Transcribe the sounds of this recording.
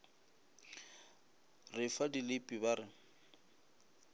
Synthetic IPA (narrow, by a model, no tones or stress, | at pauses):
rɪfadilɪpʼibarɪ